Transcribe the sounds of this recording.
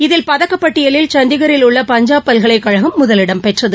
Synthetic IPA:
ɪðɪlpɐðɐkːɐpːɐʈːɪjɐlɪlt͡ʃɐnd̪ɪɣɐɾɪlʊɭːɐpɐɲd͡ʒaːpːɐlɣɐɭɐɪkːɐɻɐɣɯmːʊðɐlɪɽɐmpɛʈrɐðɯ

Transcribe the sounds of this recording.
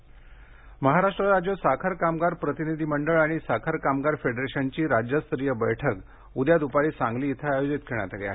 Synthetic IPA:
məɦaɾaʂʈɾəɾad͡ʑjosakʰəɾkamɡaɾpɾət̪inid̪ʱiməɳɖəɭaɽ̃isakʰəɾkamɡaɾfeɖɾeɕənt͡ɕiːɾad͡ʑjəst̪ɾijəbəjʈʰək | ud̪jad̪upaɭiːsãŋɡliːt̪ʰəajod͡ʑit̪kʰeɽ̃jat̪akea̰ɦe

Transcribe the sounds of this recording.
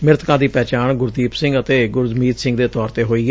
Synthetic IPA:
mɪɾt̪kãːd̪iːpɛːt͡ʃaːɳɡʊɾd̪iːpsɪ̃ŋɡət̪eːɡʊɾzmiːt̪sɪ̃ŋɡd̪eːt̪ɔːɾt̪eːɦoːiːɛ

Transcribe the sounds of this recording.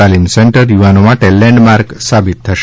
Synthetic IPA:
alinsɛɳʈəɾjuʋanomãʈɛlːɛ̃ɳɖmaɾɡsabit̪ʰːəʃ

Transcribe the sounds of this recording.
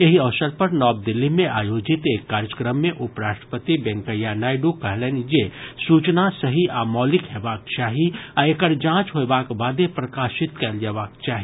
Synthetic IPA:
eɦiɐʋsəɾpɐɾnɔːb̚d̪ɪlːimẽʔaːjoːd͡ʒɪt̪eːkːaːɾjəkɾəmːẽʔʊpɾaːʃʈɾəpət̪ibɛ̃ŋkəjanaːɪɖukɐɦleːnd͡ʒesuːt͡ʃnasɐɦiʔaːmɔːlɪkɦeːbaːk̚t͡ʃaːɦiaekəɾd͡ʒãːt͡ʃɦoebaːkbaːd̪epɾɐkaːʃɪt̪kɛld͡ʒeːʋaːk̚t͡ʃaːɦi

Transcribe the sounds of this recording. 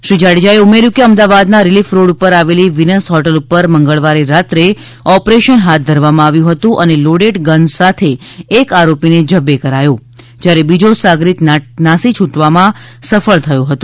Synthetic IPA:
ʃɾid͡ʒaɽid͡ʒaeumeɾjũkeəmd̪aʋad̪naɾilifɾoɽupəɾaʋeliʋinəsɦɔʈəlupəɾməŋɡəɭʋaɾiɾat̪ɾe | ɔpɾeʃənɦat̪̚d̪ʱəɾʋamãaʋjũɦət̪ũʔəneloɽeʈɡənsat̪ʰeːkaɾopined͡ʒəbekəɾajo | d͡ʒjaɾebid͡ʒosaɡɾit̪nasit͡ʃʰuʈʋamãsəfəɭt̪ʰəjõɦət̪ũ̥

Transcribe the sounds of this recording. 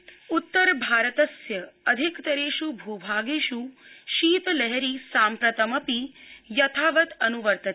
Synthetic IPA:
ut̪ːəɾbʱaːɾət̪ɐsjɐɐd̪ʱikt̪ɐɾeːʃubʱuːbʱaːɡeʃuʃiːt̪lɛɦɛɾisaːmpɾɐt̪ɐmɐpijɐt̪ʰaːʋɐt̪ɐnuʋəɾt̪ɐ

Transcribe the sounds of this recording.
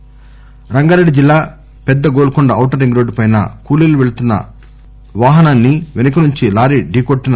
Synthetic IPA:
ɾɐŋɡaːɾeɖːid͡ʒilːaː | pɛd̪ːɐɡoːlukuɳɖɐɐwʈɐɾiŋɡɾoːɖpɐjnɐ̰kuːliluʋeɭut̪unːɐ̰ | ʋaːɦɐnaːnːiʋenɐkɐnuɲt͡ʃilaːɾiɖiːkoʈːinɐ

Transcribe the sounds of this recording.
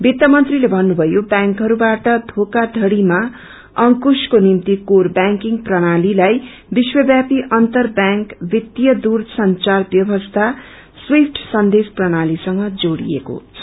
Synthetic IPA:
bit̪ːʌmʌnt̪rilebʱʌnːubʱʌjobjaŋkɦʌɾubaʈʌd̪ʱokad̪ʱʌɽima | ʌŋkuskonimt̪ikorbaŋkiŋprʌɽ̃alilaj | biswʌbjapiʔʌnt̪ʌrbjaŋkbʱit̪jʌd̪ursʌnt͡sarbjʌbʌst̪ʰa | swipʰʈʰsʌnd̪esprʌɽ̃alisʌŋɡʌd͡zoɽḭḛko̰

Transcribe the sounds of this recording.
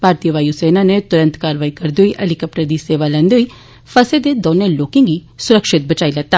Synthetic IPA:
paːɾt̪ijəʋaːiuseːnanet̪ʊɾə̃nt̪kaːɾʋaːikəɾd̪eoiʔɛlɪkəp̚ʈəɾd̪iːseːʋaːlɛ̃ːnd̪eoʊiː | fʰəsed̪ed̪oːnẽloːkɪ̃ŋɡiːsʊɾəkʃɪt̪̚bət͡ʃaːiləɡ̚t̪ːaː

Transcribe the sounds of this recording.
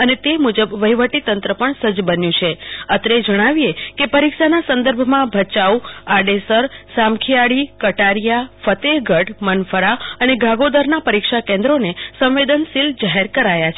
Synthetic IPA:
ənet̪emud͡ʒəbʋəiʋəʈit̪ənt̪ɾəpəɳsəd͡ʒbənjũt͡ʃʰeət̪ɾed͡ʒəɽ̃aʋijekepəɾikʃanasə̃nd̪əɾbʱmãbʱət͡ʃauaɖesəɾsamkʰijaɽikəʈaɾijafət̪eɡʱəʈmənfʰəɾaəneɡʱaɡod̪əɾnapəɾikʃakẽnd̪ɾonesə̃wʋed̪ənsild͡ʒaɦeɾkəɾajat͡ʃʰ

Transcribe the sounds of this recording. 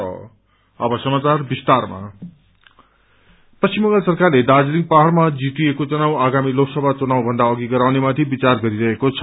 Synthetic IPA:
ʌ̰ | ʌbʌsʌmat͡sarbist̪arma̰ | pʌst͡ɕimːʌ̃ŋɡasʌrkarled̪ad͡zliŋ̚paɦʌrmad͡zit̪iekot͡sʌnawaɡamiloksʌbʱat͡sunawbʱʌnd̪aʌɡiɡʌɾawnemat̪ʰibit͡sarɡʌɾiɾʌɦekot͡sʰʌ

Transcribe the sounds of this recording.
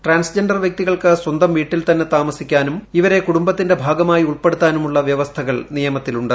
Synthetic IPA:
ʈraːnsd͡ʑenɖɐrʋjɐk̚t̪iɣɐɭkɨswɐnd̪ɐmʋiːʈːilt̪ɐnːet̪aːmɐsikʲːaːnumiʋɐɾe̞kuɽumbɐt̪ːinde̞bʱaːɡɐmaːjiuɭpe̞ɽut̪ːaːnumuɭːɐʋjɐʋɐst̪ʰɐɣɐɭnijɐmɐt̪ːiluɳɖɨ

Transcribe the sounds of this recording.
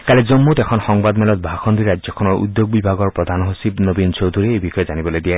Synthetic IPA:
kalɛzomːut̪ɛkʰɔnxɔŋbad̪mɛlɔt̪̚bʱaxʰɔnd̪ʱiɹad͡ʒɔkʰɔnɔɹṵd̪joɡ̚bibʱaɡɔɹpɹɔd̪ʱanɦosibnobint͡ʃowd̪ʱuɹɛejbixɔjɔzanibɔlojd̪ija

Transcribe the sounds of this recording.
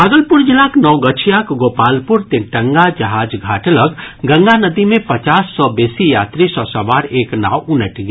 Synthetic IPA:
bʱaːɡəlpuɾd͡ʒilaknɔwɡət͡ʃʰijakɡoːpalpuɾt̪eʈəŋɡad͡ʒəɦaːd͡ʒɡʱaːʈələkɡə̃ŋɡanəd̪imẽpət͡ʃaːsːɔbesijaːt̪ɾisɔsɐʋaːɾeːkna̰ːwunəʈɡe

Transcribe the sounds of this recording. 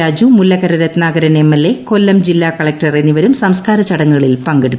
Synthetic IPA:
aːd͡ʑumulːɐɣɐɾɐɾɐt̪naːɡɐɾɐnemːelːe̞ko̞lːɐmd͡ʑilːaːkɐɭɐk̚ʈɐre̞nːiʋɐɾumsɐmskaːɾɐt͡ɕɐɽɐŋːɐɣɐɭilpɐŋɡeɽut̪ː

